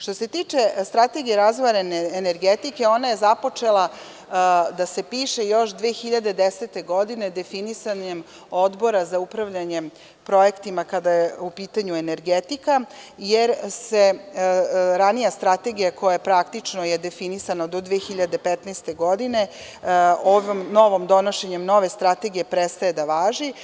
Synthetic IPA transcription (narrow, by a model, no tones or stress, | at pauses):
ʃt̪o̞se̞t̪iːt͡ʃe̞st̪ɾat̪e̞ɡijeɾazʋaɾeneːneɾɡet̪ike̞o̞naje̞zapo̞t͡ʂe̞lˠa | d̪ase̞piːʃe̞jo̞ʃd̪ʋeːxiʎad̪e̞d̪eset̪e̞ɡo̞d̪ine̞d̪e̞finisaɲem | o̞d̪bo̞ɾazaupɾaʋʎaɲe | pɾo̞jekt̪imakad̪ajeupiːt̪aɲueneɾɡet̪ikajeɾse | ɾanijast̪ɾat̪e̞ɡijako̞jajepɾakt̪it͡ʂnoje̞d̪e̞finisanad̪od̪ʋeːxiʎad̪e̞pet̪nɛst̪e̞ɡo̞d̪ine̞ | oʋomno̞ʋo̞md̪o̞noʃeɲemno̞ʋe̞st̪ɾat̪e̞ɡije̞pɾet̪st̪aje̞d̪aʋaːʒi